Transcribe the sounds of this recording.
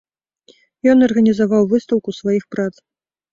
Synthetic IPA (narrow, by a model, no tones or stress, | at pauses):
jɔnɐrɣɐnʲizavawvɨst̪ɐwkusvajixpɾat̪s